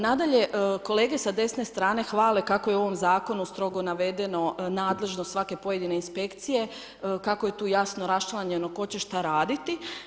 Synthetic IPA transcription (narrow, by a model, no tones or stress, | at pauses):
nad̪aʎe̞ʔko̞le̞ːɡe̞sad̪e̞sne̞st̪ɾaːne̞xʋaːle̞kako̞jeo̞ʋo̞mzaːko̞nust̪ɾo̞ɡonaʋe̞d̪e̞no̞naːd̪le̞ʒnost̪sʋake̞po̞je̞d̪ine̞inspe̞kt̪sije̞ | kakoje̞t̪uːjasnoɾast͡ʃlˠaɲe̞no̞ko̞t͡ɕeʃt̪aɾaːd̪it̪i